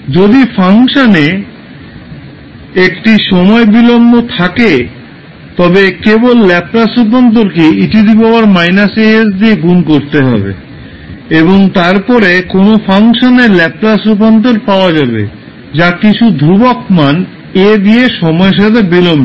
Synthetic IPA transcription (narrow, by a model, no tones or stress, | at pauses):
d͡ʑod̪ifʰaŋʃane | ekʈiʃɔmɔebilombot̪ʰake | t̪ɔbekebolːɛplasup̬ant̪̬oɾkeiʈid̪ipaoaɾmajnaseesd̪ieɡunkoɾt̪eɦɔ̰bḛ | eboŋt̪aɾpɔɾekonofaŋʃoneɾlɛplasup̬ant̪̬oɾpaoad͡ʑabḛ | d͡ʑakit͡ɕʰud̪ʱɾubokman | ed̪ieʃɔmɔeʃ̬at̪ʰebilombo